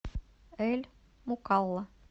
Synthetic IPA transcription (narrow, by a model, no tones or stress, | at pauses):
elʲ | mukɑlˠːɑ